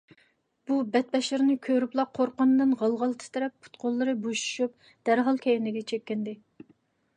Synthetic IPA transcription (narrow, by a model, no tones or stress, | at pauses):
b̥ubɛt̪̚bɛʃɪɾnɪkʲʰøɾyplˠɑqʰːoɾqɑnɨd̪ɨnʁɑlˠʁɑlˠt̪ʰɨ̥t̪ʰɪɾɛpːʰu̥t̪qʰolˠːɨɾɨboʃu̥ʃup̚ | d̪̥æɾɦɑlˠkʲʰɛjɪnɪɡʲɛt͡ʃʰɛkʲːɪnd̪ɪ